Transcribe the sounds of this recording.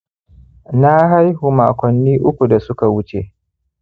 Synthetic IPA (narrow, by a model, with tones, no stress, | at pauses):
na˦ɦa˦jhu˨ma̰ː˨kʷɔ˨nːiː˦ʔʊ˦kʷu˨da˨sʊ˦ka˨wʊ˦t͡ʃḛ˨ʔ